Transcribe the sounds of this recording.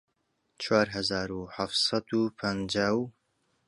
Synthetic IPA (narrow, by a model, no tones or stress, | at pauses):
t͡ʃʰwaːɾɦɐzaːɾuħaft̪sɑd̪uːpʰənd͡ʒaːw